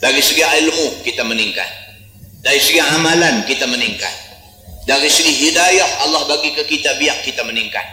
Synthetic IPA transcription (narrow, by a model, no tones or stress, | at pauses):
daɾisəɡiailmukit̪aməniŋka̰t̪̚ | daɾisəɡiaamalankit̪aməniŋka̰t̪̚ | daɾisəɡiɦidajahɑlːahbaɡikakit̪abiaʔːit̪aməniŋka̰t̪̚